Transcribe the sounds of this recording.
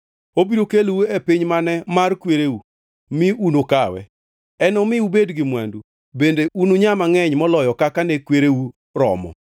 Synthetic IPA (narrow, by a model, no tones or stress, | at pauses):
obiɾokelwuepɪɲmanɛmarkweɾeu | mɪunokawɛ̰ | ɛnɔmɪubedɡɪmwandu | bendeʔunoɲamaŋɛɲmɔlɔjɔkakanɛkweɾewu | ɾɔ̰mɔ̰